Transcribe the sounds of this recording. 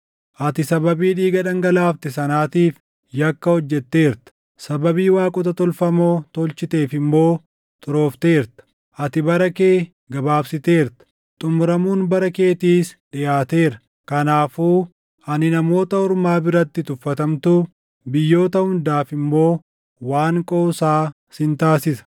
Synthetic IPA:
ʔɐt̪ɪsɐbɐbiːᶑiːɡɐᶑɐŋɡɐlaːft̪ɪsɐnaːt̪iːf | jɐkːɐhɔd͡ʒːɛt̪ːe̞ːɾt̪ɐ̥ | sɐbɐbiːwaːkʼɔt̪ɐt̪ɔlfɐmoːt̪ɔlt͡ʃɪt̪e̞ːfɪmːo̞ː | t̪ʼʊɾo̞ːft̪e̞ːɾt̪ɐ̥ | ʔɐt̪ɪbɐɾɐke̞ː | ɡɐbaːbsɪt̪e̞ːɾt̪ɐ̥ | t̪ʼʊmʊɾɐmuːnbɐɾɐke̞ːt̪iːsᶑɪjaːt̪e̞ːɾɐ | kɐnaːfuː | ɐnɪnɐmo̞ːt̪ɐɔɾmaːbɪɾɐt̪ːɪt̪ʊfːɐt̪ɐmt̪uː | bɪjːo̞ːt̪ɐhʊnd̪aːfɪmːo̞ː | waːŋkʼo̞ːsaː | sɪnt̪aːsɪsɐ̥

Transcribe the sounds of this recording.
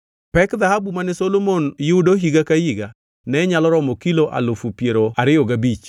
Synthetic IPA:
pɛkðahabumanɪsolomonjʊudoɦiɡakajiɡa | nɛɲalɔɾɔmɔkiloʔa̰lofupjeɾoaɾɪɔɡabit͡ʃ

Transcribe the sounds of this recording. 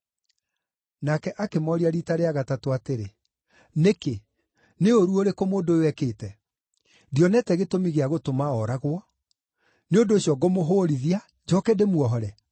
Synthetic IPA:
nakɛʔakemɔɾiaɾitaɾeaɣatatoateɾe | neke | neoɾuoɾekomoːndowɛkeːtɛ | djɔnɛtɛɣetomiɣeaɣotomaɔɾaɣwɔ | neondoːɕjɔɡomoɦoːɾiðia | d͡ʑɔkɛdemwɔɦɔɾɛ

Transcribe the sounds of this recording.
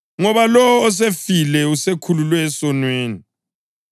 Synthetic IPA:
ŋɔβalɔːs̬efilɛusekʰululwɛːsɔnweːni

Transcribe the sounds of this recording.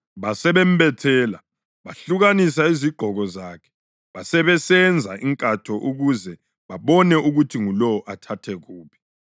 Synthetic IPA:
βasɛβɛm̩bɛtʰɛːla | βaɬuɣanis̬aiziɡ͡ǃʱɔɣɔzaːkʰɛ̥ | βasɛβɛsɛnd͡zʱa̰ʔiŋkʼatʰɔʔuɣuzɛ | βaβɔnɛʔuɣutʰiŋulɔɔʔatʰatʰɛɣuːβi̥

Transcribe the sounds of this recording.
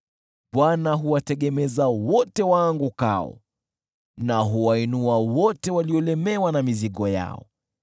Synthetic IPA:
ɓwanaɦuwatɛɠɛmɛzawɔtɛwaŋɡuka̰ɔ̰ | naɦuwainuawɔtɛwaliɔlɛmɛwanamiziɠɔja̰ɔ̰

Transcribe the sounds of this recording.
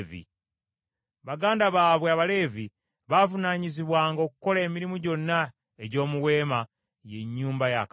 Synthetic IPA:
vḭ | βaɡaːndaβaːβweaβale̞ːvi | βaːvunaːɲiziβwaːŋɡo̞ːkuko̞le̞ːmiɾimuɟo̞nːa | eɟo̞ːmuwe̞ːma | je̞ɲːuːmbaja̰k

